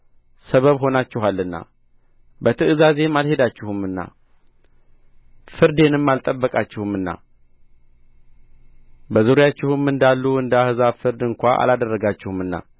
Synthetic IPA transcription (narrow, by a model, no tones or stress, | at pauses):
səβəβɦo̞nat͡ʃːɪɦalːɨnːa̰ | bət̪ʰɨɨzaze̞malhe̞d̪at͡ʃːɪhumːɨnːa̰ | fɨɾd̪e̞nɨmːalt̪ʼəbːəkʼat͡ʃːɪhumɨnːa̰ | bəzuɾjat͡ʃːɪhɨmɨnd̪alːuɨnd̪əahɨzafɨɾd̪ɨŋkʷaʔa̰lad̪ərːəɡat͡ʃːɪhumɨnːa̰